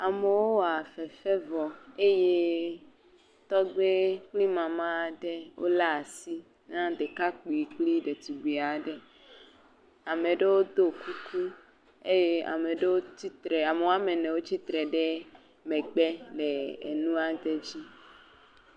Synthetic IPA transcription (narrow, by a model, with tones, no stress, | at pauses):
a˨me˨wo˦wa˨fɛ˨fɛ˦vɔ˨e˦je˦ | t̪ɔ˦ɡ͡be˦k͡pli˦mã˨mã˦˨ɖe˦wʔo̰˦la˦˨si˦ | nã˦d̪e˨ka˦k͡pi˨i˨k͡pli˦ɖe˨t̪u˨ɡ͡bi˨a˨ɖe˦ | a˨me˨ɖe˦wo˦d̪o˦ku˦kʰu˦ | e˦je˦a̰˨me˨ɖe˦wo˦ti˦t̪ɾɛ˨a˨me˨wo˦a˦me˨nɛ̃˨wo˦t͡ɕi˦t̪ɾɛ˨ɖe˦ | mɛ˨ɡ͡be˦le˨ḛ˨nũ˦a˨d̪e˦d͡ʑi˦